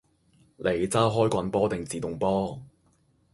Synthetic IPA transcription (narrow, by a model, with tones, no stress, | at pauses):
lʔe˨˥jt͡saː˥ɦɔː˥jkʷɐ˨˧npɔː˥t̪ɪ˨ŋt͡siː˨t̪ʊ˨ŋpɔː˥